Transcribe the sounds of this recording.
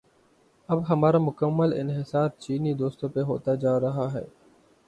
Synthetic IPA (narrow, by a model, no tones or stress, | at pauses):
ɐbɦɐmaːɾamʊkəmːəlɪ̰nɦɪsaːɾ̚t͡ʃiːnid̪oːst̪õpeɦo̰ːt̪ad͡ʒaːɾɐɦaɦɛ̰ː